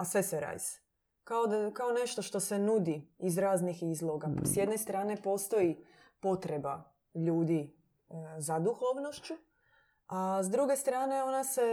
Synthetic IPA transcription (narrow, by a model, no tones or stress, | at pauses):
asʋe̞seɾa̰jz | kaod̪kao̞ne̞ʃt̪o̞ʃt̪o̞se̞nud̪iːzɾaːznixizlˠo̞ɡa̰sjed̪ne̞st̪ɾaːne̞po̞st̪o̞i | po̞t̪ɾe̞ba̰ | ʎuːd̪i | zad̪uxoʋno̞ʃt͡ʃu | azd̪ɾuɡe̞st̪ɾaːne̞o̞nase̞